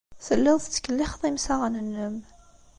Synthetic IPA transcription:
θəlːəðˤθt͡sːə̥kːəlːiχðˤimsaʁnənːəm

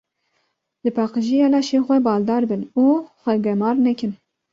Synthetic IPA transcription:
lɨpʰɑːqɨʒiɛlɑːʃeːxʷɛbɑːld̪ɑːɾbɨnuːxʷɛɡɛmɑːɾnɛkʲɪn

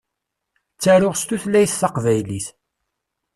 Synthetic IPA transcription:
t͡sːæɾʊʁst̪uθlæjθθɑqvæjliθ

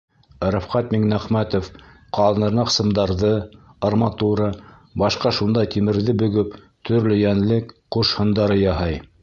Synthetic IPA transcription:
ɾæfqɑt̪̚miŋnæχmæt̪of | qʰɑlˠɤnɤ̆ɾnɑqsɤ̆md̪ɑɾðɤɑrmɑt̪uɾɑbɑʃqɑʃund̪ɑt̪imɘ̆ɾðɘbɵ̆ɡɵp | t̪ʰɵ̆ɾlɵjænlɘkquʃhɤ̆nd̪ɑɾɤjɑɦɑj

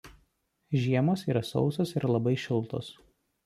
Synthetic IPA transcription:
ʒʲiɛmoːsiːɾɐsɒ̰ʊsoːsɪɾlˠɐbɐɪʃʲɪlˠt̪o̰ːs

